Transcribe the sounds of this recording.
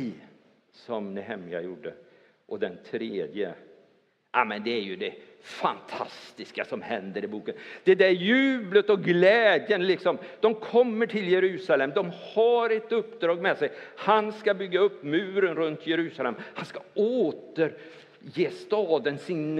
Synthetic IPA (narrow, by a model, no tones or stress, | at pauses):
sɔmnɛɦɛmɪja̰juːɖːə | ʔɔd̪ɛnt̪ʰɾeːd̪jə̰ | ʔa̰mɛnd̪ɛæɾjɵd̪ɛ | fa̰nt̪ʰa̰st̪ɪskasɔmhɛnd̪əɾɪbuːkənd̪̥ɛd̪æɾjʉːblət̪ɔɡlɛːd̪jənlɪksɔmd̪̥ɔmkʰɔmːəʈʰɪljɛɾʉ̟ːsalɛmd̪ɔmhaɾɛt̪ɵpːd̪ɾɑːɡmɛsɛjhanskabʏɡːaɵpːmʉ̟ːɾənɾɵnt̪ʰjɛɾʉ̟ːsalɛmhanskaoːt̪əɾ | jeːst̪ɑːd̪ənsɪn